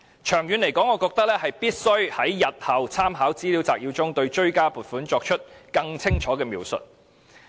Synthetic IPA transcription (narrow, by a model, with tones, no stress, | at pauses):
t͡ʃʰœː˨˩ŋjyː˨˧nle˨˩jkɔː˨˥ŋɔː˨˧kɔː˧k̚t̪ɐ˥k̚lɛː˥hɐ˨jpiː˥t̚sɵ˥ɥhɐ˨˥jːɐ˨t̚hɐ˨˧wt͡sʰaː˥mɦaː˨˥wt͡siː˥li˨˥wt͡saː˧k̚jiː˨˧wt͡sʊ˥ŋt̪ɵ˧ɥt͡ʃɵ˥ɥkaː˥puː˨t̚fuː˨˥nt͡ʃɔː˧k̚t͡ʃʰɵ˥t̚kɐ˧ŋt͡sʰɪ˥ŋt͡ʃʰɔː˨˥kɛː˧miː˨˧wsɵ̰˨t̚